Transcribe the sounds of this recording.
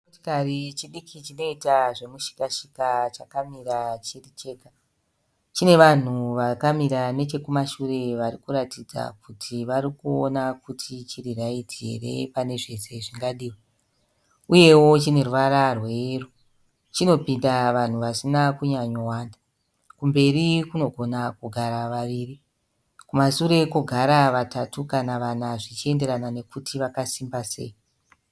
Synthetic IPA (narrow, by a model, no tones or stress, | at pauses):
otikarit͡ʃiɗikʰit͡ʃino̞itaʐemuʃi̥kaʃikat͡ʃakamiɾat͡ʃirit͡ʃe̞ːka | t͡ʃine̞ʋan̤uʋakamiɾane̞t͡ʃe̞kumaʃure̞ʋaɾikuɾatid͡za̰kutʰiʋaɾikuonakutʰit͡ʃiriraidḛre̞̰pane̞ʐe̞se̞ʐiŋɡaɗiːwe | uje̞wo̞t͡ʃine̞ruʋaɾarwe̞ru | t͡ʃino̞pindaʋan̤uʋasinakuɲaɲowaːnda | kumbe̞ɾikuno̞ɡʱo̞nakuɡʱaɾaʋaʋiːri | kumasuɾe̞kuɡʱaɾaʋatatukanaʋanaʐit͡ʃie̞nde̞ɾanane̞kutʰiʋakasimbase̞̰i